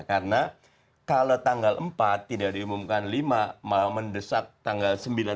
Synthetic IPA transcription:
kaɾəna | kalot̪aŋɡaləmpat̪ːidaʔdiumumkanlimamaaməndəsak̚t̪aŋɡalsəmbila

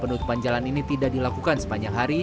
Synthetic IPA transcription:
pənut̪u̥pand͡ʒalaninit̪idaʔdilakukansəpaɲaŋɦaɾi

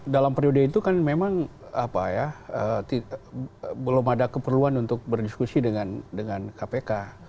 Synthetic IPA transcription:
dalampɾiodəit̪ukanmemaŋapajaət̪i | bəlʊmadakəpərluanunt̪ʊk̚bərdiskusidəŋandəŋankapeka

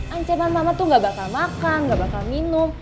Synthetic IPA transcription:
ʔaɲt͡ʃamanmamat̪uŋɡabakalmakanŋɡabakalminʊm

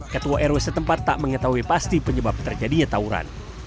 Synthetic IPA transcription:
kət̪uaʔɛɾwesət̪əmpat̪ːa̰ʔməŋət̪aɦuipast̪ipəɲəbap̚t̪ərd͡ʒadiɲat̪auɾa̰n

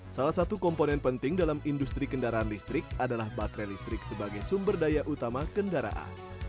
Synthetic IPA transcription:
salahsat̪ukɔmponɛnpənt̪ɪŋdalamindust̪ɾikəndaɾaanlist̪ɾɪk̚adalahbakɾɛlist̪ɾɪk̚səbaɡajsumbərdajaʔut̪amakəndaɾa̰ʔa̰n

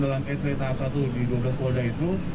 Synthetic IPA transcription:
dalaŋet̪ɾet̪aːp̚sat̪udidablaskodait̪u

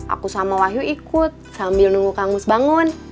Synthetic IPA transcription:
ʔa̰kusamawaɦjuikut̪̚sambilnuŋɡukaŋusbaŋun

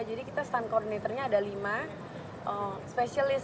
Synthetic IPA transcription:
d͡ʒadikit̪ast̪ankɔrdinet̪ərɲaːdalima | ʔəspesalɪs

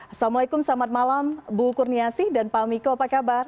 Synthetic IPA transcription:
samulaikʊmsamat̪̚malambukurniasɪhdanpamikoapakabar

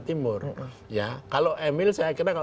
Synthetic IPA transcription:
t̪imʊr | jakaloʔemɪlsajakiraka

